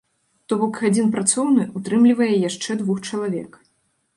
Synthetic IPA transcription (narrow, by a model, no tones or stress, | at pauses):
t̪ɔbɔkɣad͡zʲinpɾat̪sɔwnɨʔut̪ɾɨmlʲivɐjɛjaʂt͡ʂɛd̪vuxt͡ʂɐlˠavʲɛ̰k